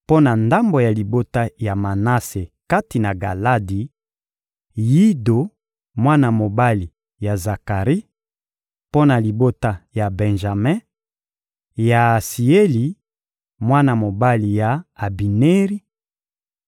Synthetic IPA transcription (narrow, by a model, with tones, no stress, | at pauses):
po˦na˨nda˦mbo˨ja˨li˨bo˦ta˦ja˨ma˨na˦se˨ka˦ti˨na˨ɡa˨la˦di˨ | ji˦do˨ | mwa˦na˨mo˨ba˦li˨ | ja˨za˨ka˨ʁi˦ | po˦na˨li˨bo˦ta˦ja˨bɛ̃˨nʒa˨mɛ̃˦ | ja˨si˨e˦li˨ | mwa˦na˨mo˨ba˦li˨ja˨a˨bi˨ne˦ʁi˦